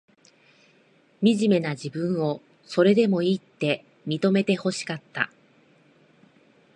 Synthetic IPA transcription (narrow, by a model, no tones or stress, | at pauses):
mʲiʑime̞nad͡ʑibɯ̟̃ɰ̃o̞ | so̞ɾe̞d̪e̞mo̞it̪ːe̞ | mʲit̪o̞me̞t̪e̞ho̞ɕi̥kat̪ːa̰